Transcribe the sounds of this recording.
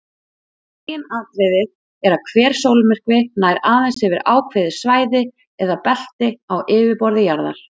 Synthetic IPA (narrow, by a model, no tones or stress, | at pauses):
ɪnaːðt̪ɾɛðɪð | ɛɾakʰvɛːɾ̥soːwlɪmɪr̥kvɪnaːjɾaːðɛnsɛvɪɾaːwkʰvɪðɪ̥svaːjðɪ | ɛðapɛl̥t̪ɪawɪːvɪpɔɾðɪjaɾða̰ɾ̥